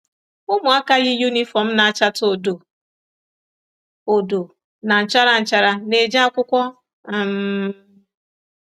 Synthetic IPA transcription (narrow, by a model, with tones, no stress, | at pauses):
ʊ˦mʊ˨a˦ka˦ɣɪ˦ju˦ni˦fɔ˨m̩˦na˨a˨t͡ʃa˦to˨do˨ | o˨do˨ | na˨n̩˨t͡ʃa˦ɾa˨n̩˨t͡ʃa˦ɾa˨ne˨d͡ʒa˦a˦kʷʊ˦kʷɔ˦ | a˦˨m̩˦